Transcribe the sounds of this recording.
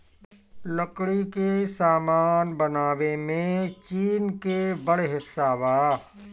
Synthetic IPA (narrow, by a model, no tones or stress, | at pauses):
ləkɽikesaːmaːnbɐnaːʋemẽt͡ʃiːnkebɐɽeɦɪsːaːʋaː